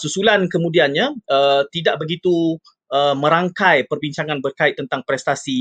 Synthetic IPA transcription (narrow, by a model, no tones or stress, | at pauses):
susulankəmũdianɲãət̪idaʔ̚bəɡit̪u | əmə̃ɾaŋkajpərbiɲt͡ʃaŋãnbərkaɪt̪t̪ːənt̪aŋpɾɛst̪asi